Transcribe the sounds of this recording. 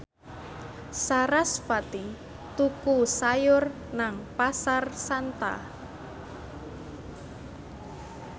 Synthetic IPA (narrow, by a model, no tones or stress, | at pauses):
saɾaspat̪i | t̪ukusajʊr | naŋpasarsant̪a̰